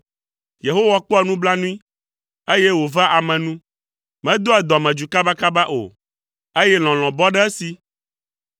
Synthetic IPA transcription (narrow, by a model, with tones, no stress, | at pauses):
je˨ɦo˦wa˦k͡pɔ˦ɛ˦nũ˦bla˦nũ˦ĩ˦ | e˦je˦wo˨va˦ʔa˨mɛ̃˨nũ˦ | mɛ̃˦d̪o˦ɛ˨d̪ɔ˨mɛ̃˨d͡ʒu˨ka˦ba˦ka˦ba˦ʔo̰˨ | e˦jɛ˦l̃ɔ̃˨l̃ɔ̃˨bɔ˦ɖɛ˦ɛ˦si˨